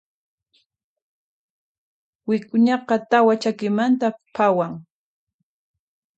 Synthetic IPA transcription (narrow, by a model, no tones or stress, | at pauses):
wɪkʊɲɑqɑt̪awat͡ʃakɪmant̪apʰawaŋ